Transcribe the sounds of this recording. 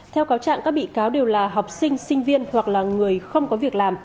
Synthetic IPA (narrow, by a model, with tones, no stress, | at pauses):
t̪ʰɛ˧wkaː˨˦wt͡ɕa̰ː˧˨ŋkaː˦˥k̚ɓḭ˧˨kaː˨˦wɗe˨˩wlaː˨˩ɦa˨˩wk͡p̚sï˧ŋ̟sï˧ŋ̟vi˧ənhwa˨˩k̚laː˨˩ŋɨ˨˩əjxə˧wŋ͡mkɔ˨˦vi˨˩ək̚laː˨˩m